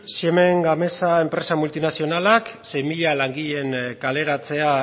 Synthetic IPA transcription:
sieme̞ŋɡame̞sae̞mpɾe̞samult̪inasio̞nalaksejmiʎalaŋɡiʎe̞ŋkale̞ɾat͡se̞a

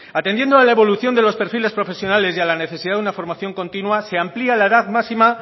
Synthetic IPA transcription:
at̪e̞nd̪je̞nd̪oalaeβo̞luθjo̞nd̪e̞lo̞spe̞ɾfile̞spɾo̞fe̞sjo̞nale̞sjalane̞θesiðaðunafo̞ɾmaθjo̞ŋko̞nt̪inwase̞amplialaeðaðmasima

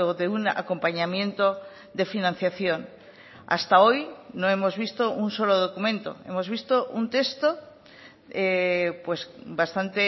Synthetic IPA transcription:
oðeuna̰ko̞mpaɲamjẽ̞nt̪o | d̪efinãn̟θjaθjon | a̰st̪aojnõemozβ̞ist̪oʔunsoloð̞okumẽnt̪o̰e̞̰mozβ̞ist̪oʔunt̪est̪o | epwesbast̪ant̪e

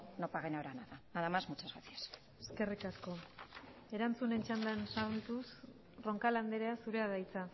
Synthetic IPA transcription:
nopaɣenaoɾanaðaaðamazmut͡ʃazɣasias | e̞ske̞rikasko̞ | e̞ɾant͡sune̞nt͡ʃand̪ansaɾðut̪us | ro̞ŋkaland̪eɾeasuɾeaðajt͡sa

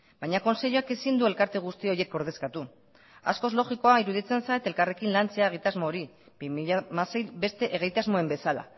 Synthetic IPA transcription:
bajɲako̞nse̞ʎoake̞sind̪ue̞lkaɾt̪e̞ɣ̞ust̪io̞ɾje̞ko̞ɾð̞e̞skat̪u | a̰sko̞zlo̞ɣiko̞aiɾuðit͡se̞nsajt̪e̞lkare̞kinlant͡se̞aeɣ̞it̪azmo̞ːɾi | biiʎamasejbe̞st̪e̞ʔeɣ̞ejt̪azmoembe̞sala̰

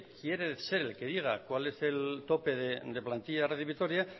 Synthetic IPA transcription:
kje̞ɾese̞ɾe̞lke̞ðiɣ̞akwale̞se̞lt̪o̞pe̞ðed̪e̞plant̪iʎareθiβit̪o̞ɾja

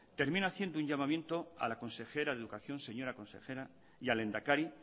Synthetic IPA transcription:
t̪e̞ɾmĩnaθje̞nd̪ouɲʝamãmjẽ̞nt̪o̞a̰lako̞nse̞xe̞ɾaðeðukaθjo̞nse̞ɲo̞ɾakonse̞̰xe̞ɾa | jale̞nd̪akaɾi

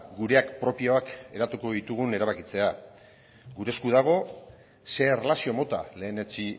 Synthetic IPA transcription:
ɡuɾe̞akpɾo̞pio̞ake̞ɾat̪uko̞ðit̪uɣ̞une̞ɾaβ̞akit͡se̞a | ɡuɾe̞skuð̞aɣ̞o̞ | se̞relasio̞mo̞t̪ale̞ːne̞t͡si

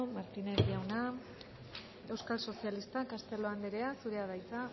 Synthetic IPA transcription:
maɾt̪ineliawna | e̞wskalso̞sialist̪akast̪e̞lo̞and̪eɾe̞asuɾe̞aðajt͡sa

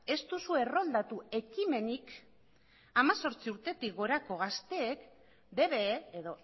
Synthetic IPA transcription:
e̞st̪usue̞ro̞ld̪at̪ue̞kime̞nik | amaso̞ɾt͡siuɾt̪e̞t̪ik̚ɡo̞ɾako̞ɣ̞ast̪e̞ːk | de̞βe̞ːeðo̞

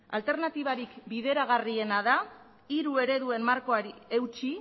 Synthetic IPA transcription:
a̰lt̪e̞ɾnat̪iβ̞aɾikbiðe̞ɾaɣ̞arie̞naða | iɾue̞ɾe̞ðue̞nmaɾko̞aɾie̞wt͡ʃi

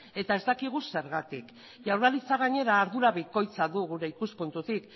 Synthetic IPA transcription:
e̞t̪ae̞zd̪akiɣ̞use̞ɾɣat̪ḭk | ʝawɾralit͡saɣ̞aɲe̞ɾaːɾðuɾaβiko̞jt͡saðuɣuɾe̞ikuspunt̪ut̪ik

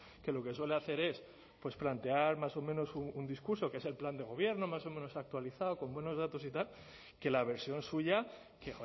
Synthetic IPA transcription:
ke̞lo̞ke̞swele̞aθe̞ɾe̞s | pwe̞splant̪e̞aɾmaso̞mẽno̞suund̪iskuɾso̞kee̞se̞lpland̪e̞ɣ̞o̞β̞je̞ɾno̞maso̞mẽno̞sak̚t̪waliθaoko̞mbwe̞no̞zð̞at̪o̞sit̪al | ke̞laβ̞e̞ɾsjo̞nsuʝa | ke

